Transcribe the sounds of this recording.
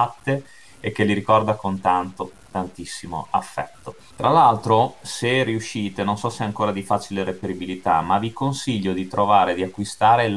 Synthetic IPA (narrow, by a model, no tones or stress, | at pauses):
t̪ːeː | kːeliɾikɔrd̪akont̪ant̪ot̪ant̪isːimo̰a̰fːɛ̰t̪ːo | t̪ɾalalt̪ɾoseriuʃːiːt̪enonsɔseaŋkoːɾad̪ifat͡ʃileɾepeɾibilit̪a̰mavikonsiʎːod̪it̪ɾovaːɾed̪iakːwist̪aːɾel